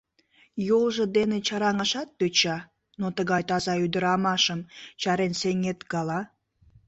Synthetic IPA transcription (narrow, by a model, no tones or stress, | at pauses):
jolʒə̆d̪enet͡ɕɑɾɑŋəʃɑt̪̚pøt͡ɕɑ | not̪əɣɑjt̪ɑzɑyd̪əɾɑmɑʃəmt͡ɕɑɾenseŋet̪ɡɑlɑ